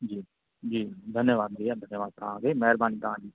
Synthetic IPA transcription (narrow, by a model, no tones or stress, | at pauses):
d͡ʒiː | d͡ʒiːd̪ʱənjəʋaːd̪̚ɾiːad̪ʱənjəʋaːd̪̚pãɡeːmɛɦɾbaːnik̪ãːd͡ʒiː